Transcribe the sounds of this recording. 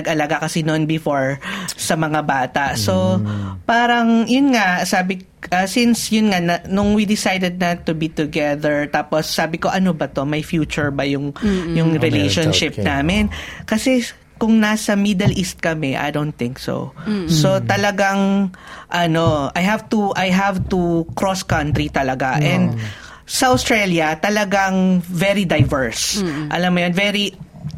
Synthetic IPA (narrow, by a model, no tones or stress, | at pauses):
ɐɡʔɐlɐɡakɐsinonbɪfoɹsɐmɐŋabaːt̪ɐʔso̞paːɾɐŋjʊnŋaʔsaːbɪ | ʔɐsinsjʊnŋanɐnʊŋwid̪ɪsajd̪ɛd̪̚nɐt̪ːʊbit̪ʊɡɛðɛɹt̪aːposːaːbɪko̞ʔɐnobɐt̪o̞mɐjfjuːt͡ʃʊɹbɐjʊŋjʊŋɾɪlejʃonʃɪp̚naːmɪnkɐsɛ | kʊŋnasɐmid̪ɐlʔist̪̚kɐmɛʔa̰jd̪ownθɪ̃ŋkso̰sot̪ɐlɐɡaŋ | ʔɐno̞ʔɐjɦavt̪uʔɐjɦavt̪ukɹoskɐnt̪ɾit̪ɐlɐɡaʔɛnd̪̚ | sɐʔost̪ɹɛljɐt̪ɐlɐɡaŋvɛɾid̪ɐjvɛɹsʔɐ̰lɐmːojonvɛɾi